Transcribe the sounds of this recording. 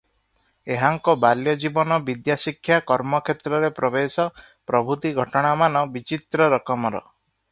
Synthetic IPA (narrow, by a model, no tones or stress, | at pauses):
eɦaŋkɔbaljɔd͡ʒibɔnɔbid̪jasikʰːjakɔɾmɔkʰet̪ɾɔɾepɾɔbesɔ | pɾɔbʱut̪iɡʱɔʈɔɽ̃amanɔbit͡ʃit̪ɾɔɾɔkɔmɔɾɔ̰